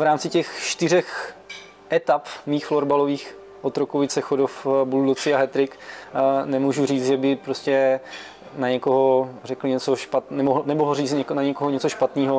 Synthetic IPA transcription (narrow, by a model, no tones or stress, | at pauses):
vɾaːmt͡sɪcɛxʃt̪ɪr̝ɛx | ʔɛt̪apmiːxfloɾbaloviːx | ʔot̪ɾokovɪsɛxodofbuldot͡sɪaɦɛt̪ɾɪk | nɛmuːʒur̝iːt͡s̪ʒɛbɪpɾoscɛ | naɲɛkoɦorɛklɪɲɛt͡soʃpat̪nɛmoɦnɛmoɦoriːt͡sɲɛknaɲɛkoɦoɲɛt͡soʃpat̪niːɦo